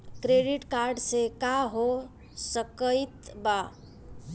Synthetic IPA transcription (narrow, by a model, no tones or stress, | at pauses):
kɾeɖiʈkaɾɖsekaɦo | səkəjt̪ba